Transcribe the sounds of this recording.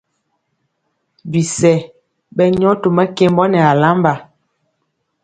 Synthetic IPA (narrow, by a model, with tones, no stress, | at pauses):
bi˨sɛ˨ | bɛ˦ɲɔ˦to˨mɛ˦ke˦m˦bɔ˦nɛ˨a˨la˦mba˨